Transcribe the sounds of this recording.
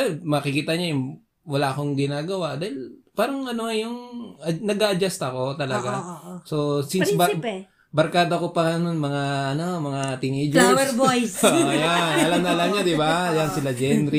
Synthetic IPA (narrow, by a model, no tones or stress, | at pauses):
mɐkɪkiːt̪ɐɲajʊŋ | wɐlaʔko̞ŋɡɪnaːɡɐwad̪aːhɪlpaːɾɐŋɐnoŋɐjoŋɐnɐɡaʔɐd͡ʒast̪ɐko̞t̪ɐlɐɡaso̞sinsbɐ | bɐɾkaːd̪okopɐŋɐnonmɐŋaʔɐno̞mɐŋat̪ɪŋid͡ʒlwɛɾbojsoʔjanɐlɐmnɐlɐmɲad̪ɪbajansɪlad͡ʒɛnɾi